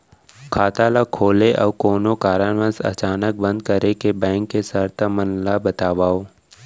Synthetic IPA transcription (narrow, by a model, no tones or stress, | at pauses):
kʰaːt̪alakʰoːleʔɔːʋkoːnokaːɾənʋə̃sɐ̰t͡ʃaːnək̚bə̃nd̪̚kəɾekebɛ̃ːŋkːesəɾt̪ʰamənlabət̪aːʋaːoː